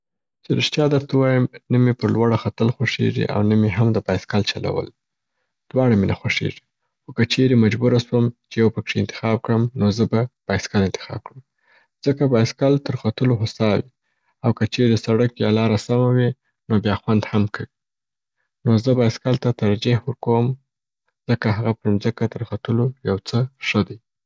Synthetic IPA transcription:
t͡ʃeɾəʃt̪jɑd̪əɾt̪awɑjəmnəmepəɾlwaɽaxat̪əlxwaʂḛʐḭʔa̰wnəmeɦamd̪əbɑjskalt͡ʃala̰wə̰l | d̪̥wɑɽamenaxwaʂḛʐi̥ | xokət͡ʃeɾemad͡ʒbuɾaswəmt͡ʃejawpəkʂent̪ɪ̥xɑb̚kɽəmnozəbab̥ɑjskalɪnt̪ɪ̥xɑ̰b̚kɽəm | z̥əkabɑjskalt̪əɾxat̪əloɦʊsɑwi | awkət͡ʃeɾed̪əsaɽəkjalɑɾasamawi | nobjɑxwand̪hamkʰawi | nozəbaskalt̪at̪aɾd͡ʒihwəɾkowm | z̥əkaɦaɣapəɾumzəkat̪əɾxat̪əlojawt͡səʂəd̪aj

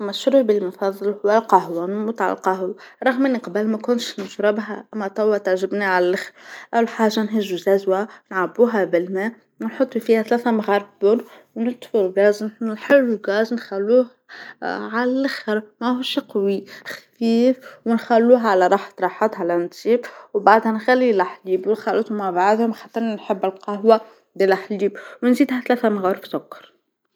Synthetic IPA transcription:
mæʃɾibəlmɑfɑðˤːɨlhʊwalqɑhwanmʊt̪ʕɑ̰lqɑɦuɾˤɑɣmɪnːiqɑbəlmækʊnʃnʊʒɾɪbɦæ̰ʔæmːæt̪ˤɑwːat̪aʕʒɪbniʕalælɪxɾʔæwħaːʒːanɦɪʒːuzæzwanʕabuːɦabɪlmæ | wɪnħot̪ˤːifiːhæθlæːθæmɣɑɾˤbʊɾ | wnɪt̪ˤfʊɾlɡɑːznħnħɪlːlɡæːznxælːuːh | ʕalælɪxəɾˤmæhuʃqwixæfiːfwɪnxælːuːɦʕalæɾˤɑħt̪ɾˤɑħɑt̪ˤhalænt̪siːbwbaʕd̪hænxælːilaħliːbwlxɑlət̪ˤumaʕbaʕd̪hʊmxat̪ːɑɾnnħəbːɪlqɑɦwæ | d̪ilʔaħliːbwnziːd̪hæθlæːθæmɣɑːɾˤfsʊkːɑ̥ɾˤ

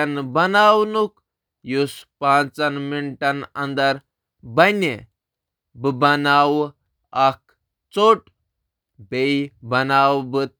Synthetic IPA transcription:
anbɐnawnuk | juspãt͡sanmiɳʈanɐnd̪aɾ | bɐne | bɨbɐnaw | ak̚ | t͡soʈ | beibɐnawbɨt̪̚

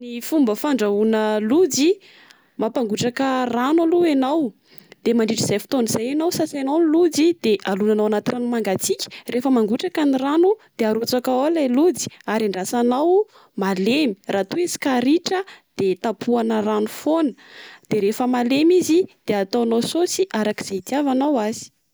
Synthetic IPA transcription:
nifumbəfaɳɖ͡ʐaunəlud͡zi | mapaŋɡuʈ͡ʂakəranwaluenaw | d̪̥emaɳɖ͡ʐiʈ͡ʂz̥ajfi̥t̪onizajanawsasanownlud͡zid̪̥eʔalunanawanat̪iranumaŋɡat͡sikʲi̥refəmaŋɡuʈ͡ʂakaniranud̪̥eaɾut͡sakaolalud͡zi̥aɾaɳɖ͡ʐasanaw | malemirat̪uezi̥kaɾiʈ͡ʂəd̪̥et̪apʰuanəranufonəd̪̥eɾefəmalemizid̪̥eat̪awnawsosiʔaɾaki̥z̥at̪iavanawazi̥

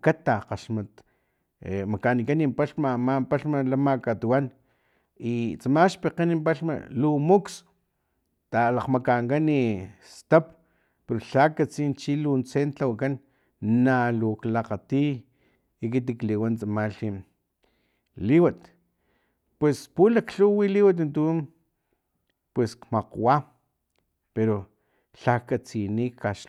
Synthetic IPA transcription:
kat̪aqaʃmat̪ | emakanikanimpaɬmamampaɬmalamakat̪uwan | it͡samaʃpeqenimpaɬma̰lumuks | t̪alaqmakaŋkanist̪ap̚ | peɾoɬakat͡siːnt͡ʃilunt͡sent͡ɬawakanː | aluklaqat̪iː | k̬it̪̬ikliwant͡samaɬi | liwat̪ | pwespulakɬuwiliwat̪̬ant̪un | pweskmaqwa | peɾo | ɬakat͡sinikaʃ

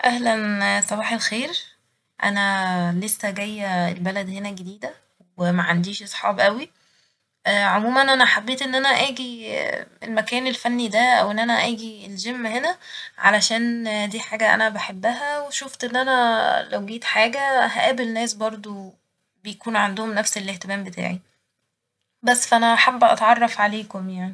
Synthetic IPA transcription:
ʔæhlænsˤɑbɑːħelxeːɾ | ʔæ̰nælesːæɡæjːæelbælæd̪henæɡed̪iːd̪æ | wemæʕand̪iːʃʔɑsˤħɑ̰ːbʔæwi | ʔʕomuːmænʔænæħabːeːt̪ʔenːʔænæʔæːɡi | elmækæːnelfænːid̪æʔæ̰wenːʔænæʔæːɡielʒemːhenæ | ʕa̰læʃæːnd̪iːħaːɡæʔæ̰næbaħebːæɦæweʃoft̪ʔenːʔænælæwɡiːt̪ħaːɡæɦæʔæːbelnæːsbɑɾˤd̪ˤo | bejækuːnʕand̪ohomnæfselʔeht̪emæːmbet̪a̰ːʕi | bæsːfæʔænæʔħabːʔɑ̰t̪ʕɑrˤːɑfʕaleːkomjaʕni

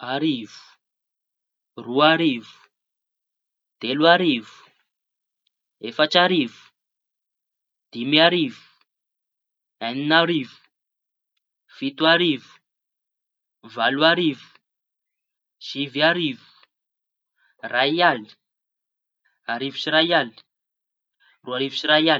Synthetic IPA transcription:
aɾivu̥ | ruaɾivu̥ | d̪̥eluaɾivu̥ | efat͡ʃaɾivu̥ | d̪̥imiaɾivu̥ | aninaɾvu̥ | fit̪uaɾivu̥ | valuaɾivu̥ | ʃiviaɾivu̥ | raiali̥ | aɾivu̥siɾajali̥ | ruaɾivusiɾaja

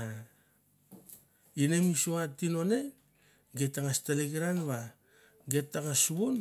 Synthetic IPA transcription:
a | ine̞misoatino̞ne̞ | ɡe̞tːaŋastaleɡiɾanβa | ɡe̞tːaŋasuβun

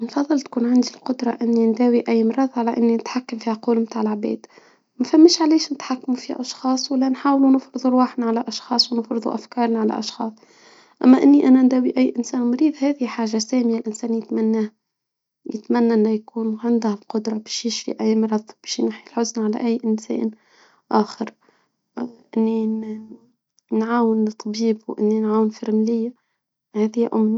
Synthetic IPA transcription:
nfɑðˤːɨlt̪̚kuːnʕand̪ilqʊd̪ɾˤɑʔɪnːind̪æːwiʔæjːmɑɾˤɑðˤʕalaʔɪnːinɪt̪ħakːamfiːhaquːlmt̪aːʕɪlʕbḛːd̪ | mæfamːɪʃʕaleːʃnɪt̪ħakːamufiːha̰ʔɑʃxɑːsˤwalːanħaːwlunɪfɾɨðˤulwaħnaʕalaʔɑʃxɑːsˤwnɪfɾɨðˤṵʔafkɑːɾˤnaʕala̰ʔɑʃxɑ̰ːsˤ | ʔa̰mːaʔɪnːiʔænand̪æːwiʔæjːʔɪnsæːnmɾiːðhæːðħaːʒːasæːmɪjalʔɪnsæːnjɪt̪manːaː | jɪ̰t̪manːaʔɪnːajakuːnʕɪnd̪ahalqʊd̪ɾˤɑbeːʃjɪʃfḭʔajːmɑɾˤɑðˤb̥eːʃjnaħilħʊznʕala̰ʔajːʔɪnsḛːn | ʔaːxɪɾ | ʔɪnːi | nʕaːwɪnt̪ˤːɑbiːbwʔɪ̰nːinʕaːwɪnfɪɾmlɪjːa | hæːðɪhʔʊ̰mːi

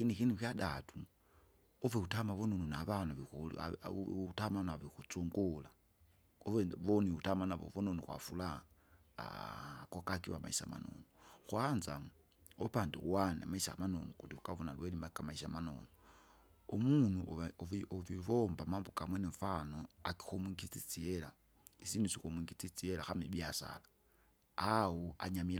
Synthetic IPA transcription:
xinixinipjadatu | oveutamaβononunaβanuβiṵ | utamanaβixut͡suŋɡula | oeβoniutamanaβo̰vononixwa̰fula̰ | kokakiwama̰isa̰ma̰no̰noxwanza | opaːndiuwana̰maisaamano̰nukutiukaβonalwelimakamaisamano̰no | omunuʔioviβombamaːmbokamweniɱfanoaki̥xomwiŋɡit͡sit͡siela | isiːndusikomwiŋɡit͡sit͡sielaxamiβjasa̰la | awua̰ɲamila

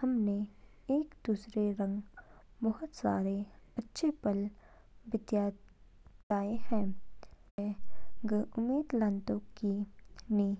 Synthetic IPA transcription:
hɐmne | eːkd̪uːsɾeɾɐ̃ŋɡbɐɦʊt̪saːɾeɐtːʃʰepɐl | bɪt̪ja | d̪aːeɦɛ̃ː | eɡʊmeːd̪lə̃nt̪õkiniː

